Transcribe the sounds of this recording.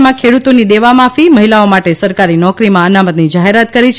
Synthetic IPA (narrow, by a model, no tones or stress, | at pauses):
mãkʰeɽut̪onid̪eʋamafiməɦilaomaʈesəɾkaɾinɔkɾimãənamət̪nid͡ʒaɦeɾat̪kəɾit͡ʃʰ